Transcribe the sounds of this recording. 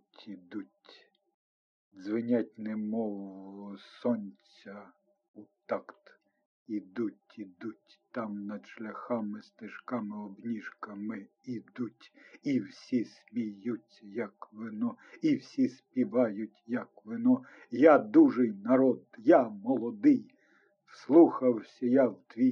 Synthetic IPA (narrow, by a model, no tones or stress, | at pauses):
tʲid̪utʲ | zʋɪnʲatʲnɛmɔwsɔnʲt͡sʲɐ | ut̪ɑkt̪ | id̪utʲid̪utʲt̪ɑmnɐd̪ʃlʲɐxɑmɪst̪eʃkɑmɪɔbnʲiʃkɐmɪ | id̪utʲiwsʲismʲijut͡sʲɐjɐkʋɪnɔ | iwsʲispʲiʋɑjʊtʲjɐkʋɪnɔ | jad̪uʒejnɐɾɔd̪jamɔlˠɔd̪ɪj | wslˠuxɐwsʲɐjawt̪ʋʲi